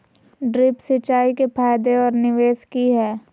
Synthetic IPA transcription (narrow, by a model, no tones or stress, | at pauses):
ɖɾɪpsɪt͡ʃaːikepʰaːjd̪eɔːɾnɪʋeːskiɦɛː